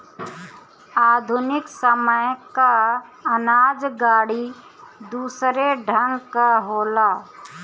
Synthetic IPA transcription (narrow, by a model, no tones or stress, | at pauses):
aːd̪ʱʊnɪksəməjkaənaːd͡ʒɡaːɽi | d̪uːsɾeɖʱə̃ŋɡkaɦoːlaː